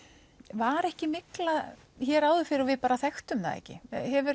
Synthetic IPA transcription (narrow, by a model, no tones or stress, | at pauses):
vaɾɛhcɪmɪkla | çɛːɾaːwðʏfɪɾɪɾɔvɪpaːɾaθɛxt̪ʏmða̰ðɛ̰hcɪ̰hɛvʏɾ